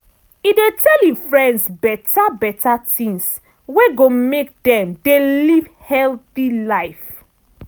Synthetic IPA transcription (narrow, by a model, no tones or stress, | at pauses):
idetʰɛlifɹɛ̃ndsbɛtabɛtatĩŋs | weɡomek̚dɛ̃mdeliv | hɛlθilaɪf